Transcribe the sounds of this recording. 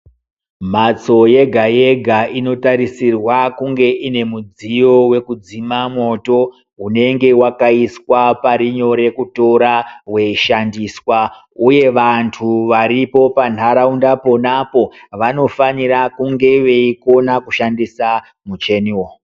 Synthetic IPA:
mat͡so̞je̞ɡʱaje̞ɡʱaino̞taɾisirwakuŋɡe̞ʔine̞mud͡zijo̞we̞kud͡zimamo̞to̞ | ɦune̞ŋɡe̞wakaiswapaɾiɲo̞ɾe̞kuto̞ɾawe̞ʃandiːswa | uje̞ʋantʰuʋaɾipo̞pan̤ɦaɾaundapo̞napo̞ʋano̞faniɾakuŋɡe̞ʋe̞iko̞nakuʃandisa | mut͡ʃe̞niwo

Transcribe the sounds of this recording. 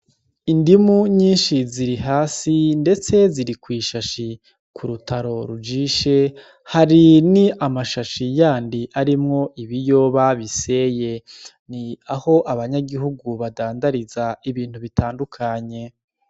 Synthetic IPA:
indimuɲiːnʃiziɾiɦaːsinde̞t͡se̞ziɾikwiːʃaʃi | kʰuɾutaɾo̞ɾud͡ʒiːʃe̞ | haɾiniamaʃaʃijaːndiʔaɾimŋo̞ʔiβijo̞ːβaβise̞je̞ | niaho̞ʔaβaɲaɡiɦuɡuβadaːndaɾizaiβiːn̥huβitaːndukʰaɲe̞

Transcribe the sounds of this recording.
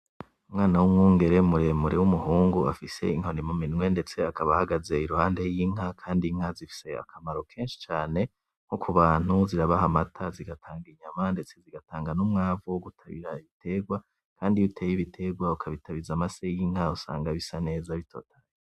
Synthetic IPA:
umŋaːnawumŋuːŋɡe̞ɾe̞muɾe̞muɾewumuɦuːŋɡua̰fise̞̰iŋho̞nimuminŋwe̞nde̞t͡se̞akaβahaɡaze̞iɾuhaːnde̞jiːŋ̥akʰaːndiŋ̥azifi̥se̞a̰kʰamaɾo̞kʰeːnʃi̥t͡ʃaːne̞ | ŋ̥okʰuβaːn̥huziɾaβahamatʰaziɡatʰaːŋɡiɲamande̞t͡se̞ziɡataːŋɡanumŋaːvuɡutʰaβḭɾaiβitʰe̞ɡwa | kʰaːndiutʰejiβitʰe̞ɡwaukʰaβitaβizamasejiŋ̥hausa̰ːŋɡaβisane̞ːzaβitʰo̞̰ːtʰḁje

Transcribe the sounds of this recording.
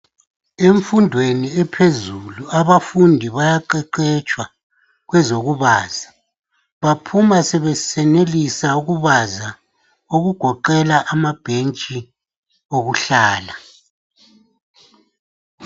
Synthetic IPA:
eɱfundʱweniɛpʰezuluaβafundʱiβajaǃɛǃɛt͡ʃʼwa | ɣwɛzoɣuβaːz̥a | βapʰumasɛβɛsɛnelisauɣuβaza | oɣuɡ̥ʱɔǃɛlaʔamab̥ʱent͡ʃʼi | oɣuɬaːla

